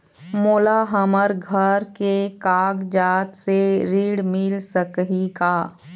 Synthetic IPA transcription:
moːlaɦəməɾɡʱəɾkekaːɡd͡ʒaːt̪seɾiːɽmɪlsəkɦikaː

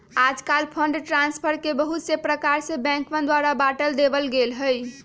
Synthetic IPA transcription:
ad͡ʒkalpʰəɳɖʈɾãnspʰəɾkebəɦut̪sepɾəkaɾsə̃bɛ̃ŋkmə̃nd̪waɾabaʈəld̪ebəlɡelɦəj

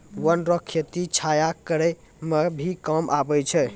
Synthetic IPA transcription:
wənɾəkʰːet̪it͡ʃʰajakəɾɛ | mebʱikəmʔabɛt͡ʃʰɛ

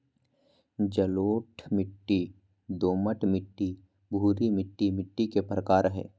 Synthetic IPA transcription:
d͡ʒəloːʈʰmɪʈːi | d̪oːməʈʰmɪʈːi | bʱuːɾimɪʈːimɪʈːikepɾəkaːɾɦɛ̰ː

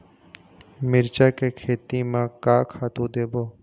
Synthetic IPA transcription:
mɪɾt͡ʃaːkekʰeːt̪imãkaːkʰaːt̪ũd̪eːboː

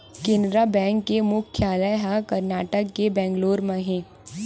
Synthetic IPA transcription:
kɪ̃nɾabɛ̃ːŋkːemʊkʰːjaːləjɦakɐɾnaːʈəkːebɛ̃ːŋɡloːɾmɐ̃ɦẽ

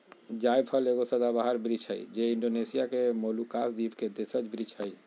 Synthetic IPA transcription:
d͡ʒajpʰəleɡosəd̪abaɦəɾbɾid͡ʒɦə̰jd͡ʒeiɳɖonesijakemolukasd̪ipked̪esət͡ʃbɾid͡ʒɦəj

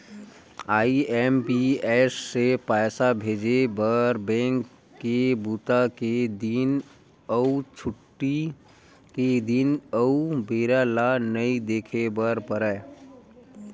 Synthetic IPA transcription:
aiempiesːepaɪsabʱed͡ʒebəɾbɛ̃ŋkː | ebut̪aked̪in | əut͡ʃʰuʈːi | ked̪inəubeɾalanəid̪ekʰebəɾpəɾə

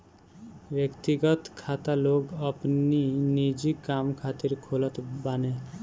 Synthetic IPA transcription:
bjekt̪iɡɔt̪kʰat̪aloɡapninid͡ʒikamkʰat̪iɾkʰolɔt̪bane

